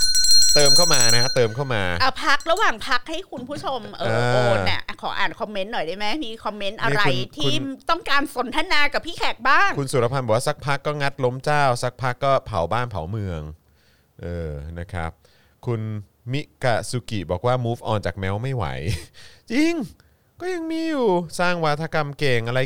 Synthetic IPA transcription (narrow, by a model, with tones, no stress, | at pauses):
t̪ɤː˧mkʰa˥˩wmaː˧na˦˥t̪ɤː˧mkʰa˥˩wmaː˧ʔa˧˩pʰa˦˥k̚ɾa˧waː˨˩ŋpʰa˦˥k̚ha˥˩jkʰu˧npʰu˦˥t͡ɕʰo˧mʔɤː˧˩˧i˥˩ʔkʰɔː˩˦ʔa̰ː˨˩nkʰɔ˧mːe˦˥nːɔ˨˩jdaː˥˩jma˦˥jmiː˧kʰɔ˧mːe˦˥nʔa˧˦˥ɾa˧jt̪ʰiuː˧˥˩t̪ɔ˥˩ŋkaː˧nso˨˩˦nt̪ʰa˧naː˧ka˨˩pʰiː˥˩kʰɛ˨˩k̚baː˥˩ŋkʰu˧nsu˨˩ɾa˧pʰa˧nbɔː˨˩wa˥˩sa˦˥k̚pʰa˦˥kːɔː˥˩ŋa˦˥t̪̚lo˦˥mt͡ɕaː˥˩wsa˦˥k̚pʰa˦˥kːɔː˥˩pʰa˩˦wbaː˥˩npʰa̰˨˩˦wmɯ˧əŋ | ʔɤː˧na˦˥kʰɾa̰˦˥p̚ | kʰu˧n | mi˦˥ka˧˩su˧ki˨˩bɔː˨˩k̚waː˥˩muː˦˥fʔɔː˨˩nt͡ɕaː˨˩k̚mɛː˦˥wma˥˩jwa̰˩˦jt͡ɕi˧ŋ | kɔː˥˩ja˧ŋmiː˧juː˨˩saː˥˩ŋwa˦˥t̪ʰa˧ka˧mkeː˨˧ŋʔa˧ɾa˧j